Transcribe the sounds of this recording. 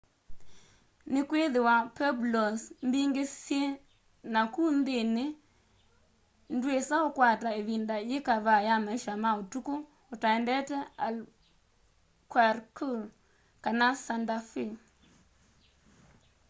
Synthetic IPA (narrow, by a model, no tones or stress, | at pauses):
nɪkweðɪwapɛblɔsmbiŋɡesje | nakund̪enɪ | ndwesaɔkwataeβindajɪkaβajamaʃamaotuko | ʊtaɛndɛtɛal | kwaɾkuɾ | kanasandafi